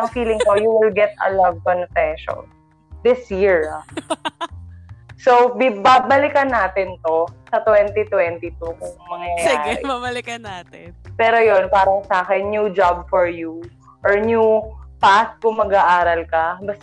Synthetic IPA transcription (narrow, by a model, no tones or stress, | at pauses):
ʔɐŋfiːlɪŋt̪ojuwɪlɡɛt̪̚ɐ̰lɐvkɔnfɛʃɔ̰n | d̪ɪsjiɹɐ | sobɪbabɐlɪkɐnːaːt̪ɪnt̪osɐt̪wɛnt̪it̪wɛnt̪it̪ukʊŋmɐŋɐɐjaːɪ̰abɐlɪkɐnaːt̪ɪpɛːɾojonpaːɾɐŋsaːkɛnːjud͡ʒab̚fɔɹju | ʔɔɹnjupas̚kʊŋmɐɡaʔaːɾɐlkɐbɐst̪